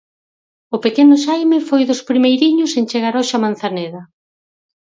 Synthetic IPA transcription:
ʊpekenʊʃajmɪfojðʊspɾimejɾiɲʊsent͡ʃeɣ̞aɾɔʃamãnθaneðɐ

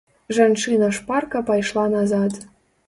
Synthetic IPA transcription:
ʒɑnʃɨnəʃpɑrkɤ̆pɑjʃlˠɑnɑzɑt̪

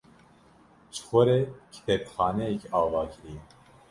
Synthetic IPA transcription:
t͡ʃʰɨ̥xʷɔɾekʰi̥t̪ʰɛbxɑːnɛjɛkiɑːvɑːkɨɾijɛ

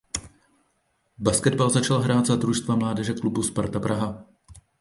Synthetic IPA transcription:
baskɛd̪balzat͡ʃalɦɾaːd̪zad̪ɾuʃst̪vamlaːdɛʒɛklubuspaɾt̪apɾʔaɦa

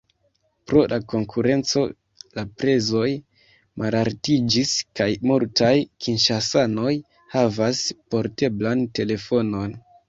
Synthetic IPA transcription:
pɾo̞lʔako̞ŋkʰuɾe̞nt͡so̞ | lapɾe̞zo̞j | mʔalaɾtid͡ʒiskajmultajkʰinʃasano̞j | havaspo̞ɾte̞blante̞le̞fo̞no̞n

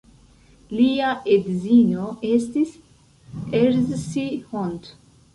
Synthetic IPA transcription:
liaʔed̪zinoest̪is | eɾzsihont̪

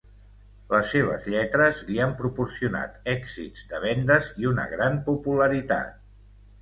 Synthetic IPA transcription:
ləsːeβ̞ə̰zʎɛt̪ɾəzliampɾupursiuna̰t̪ɛɡzḭdzd̪əβ̞ɛnd̪əziunə̰ɣɾampupuləɾit̪a̰t̪̚

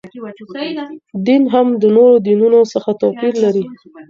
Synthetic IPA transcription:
d̪inɦamd̪ənoɾod̪inunosəxat̪ɑpiɾlaɾi

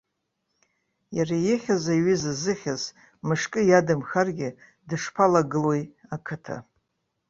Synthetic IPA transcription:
jarajɪχʲazaiɥizazɨχʲaz | mɨʂkʼɨjadamxarɡʲɪ | dɨʂpʰalaɡɨlwojakʰɨtʰa̰

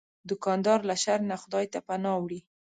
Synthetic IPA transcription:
d̪ʊkɑnd̪ɑɾlaʃaɾnaxʊd̪ɑjt̪apanɑwɽi

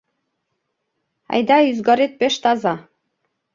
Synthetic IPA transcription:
ɑ̰jd̪ɑyzɡɑɾet̪̚pɘʃt̪ɑzɑ

